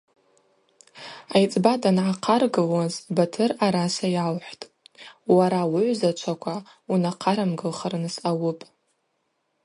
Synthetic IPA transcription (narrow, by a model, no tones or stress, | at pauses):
ajt͡sʼbatʼanʕaqʰarɡɨlwazbatʰɨraɾasajalħʷtʼ | waɾawʊʕʷzat͡ʃʷʰakʷʰa | unaqʰaɾamɡɨlχarnsawʊpʼ